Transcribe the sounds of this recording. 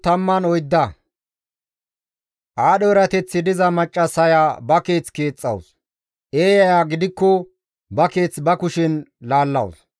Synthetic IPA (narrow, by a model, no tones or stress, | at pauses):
t̪ɐmːɐnɔjd̪ːɐ | ʔaːɗɔɛɾɐt̪ɛt͡sːɪd̪ɪzɐmɐt͡ʃʼːɐsɐjaːbɐke̞ːt͡ske̞ːt͡sʼːɐ̰ws | ʔe̞ːjɐjaːɡɪd̪ɪkːɔ | bɐke̞ːt͡sbɐkʊʃɪnlaːlːɐ̰ws